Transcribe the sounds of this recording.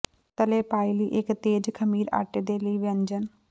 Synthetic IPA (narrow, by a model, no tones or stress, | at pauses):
t̪əleːpaːiliːʔɪkt̪eːd͡ʒkʰəmiːɾa̰ːʈeːd̪eːləiːʋənd͡ʒən